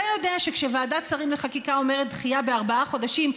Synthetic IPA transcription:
ajo̞deaʃekʃevaːdat͡saʁimleχakikao̞meʁet̪̚d̪χijabe̞aʁbaaχo̞daʃim

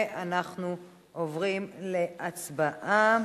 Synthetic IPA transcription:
ʔanaχnu | ʔovʁimle̞at͡sbaʔa

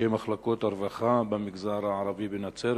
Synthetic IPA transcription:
emaχlakot̪aɾvaχabamiɡzaɾaʕaɾavibenat͡seɾ

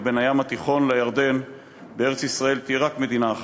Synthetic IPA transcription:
be̞najamat̪iχo̞nlajaʁd̪e̞n | beeʁet͡ssisʁae̞lt̪iɛʁakme̞d̪inaːχ

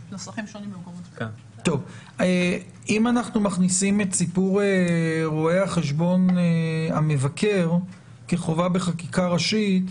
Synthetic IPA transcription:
lsχimʃonimlmkomo | to̞v | e | imanaχnumaχnisimetsipuʁeʁoehaχe̞ʃ̬bo̞neame̞vakʰe̞ʁ | keχo̞vabe̞χakikaʁaʃit

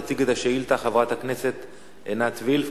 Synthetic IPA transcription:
t͡siɡet̪aʃeilt̪aχavʁat̪hakneset̪ | enat͡svilf

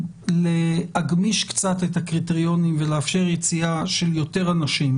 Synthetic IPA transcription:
lehaɡmiʃkt͡satetakʁiteʁijo̞nimveleafʃe̞ʁjet͡siaʃe̞ljo̞te̞ʁanaʃim

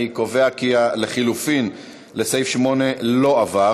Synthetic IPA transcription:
iko̞veakiale̞χilufin | le̞sejfʃmo̞ne̞lo̞ava

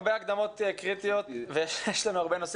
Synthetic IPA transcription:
beaɡd̪amo̞t̪ekʁit̪ijo̞t̪vejeʃjeʃlanuaʁbenosi

